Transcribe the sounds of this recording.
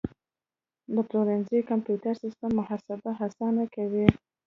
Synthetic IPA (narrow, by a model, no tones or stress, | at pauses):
d̪əploɾanzejkampjutaɾsɪst̪amːʊhɑsabaɦasɑnakawi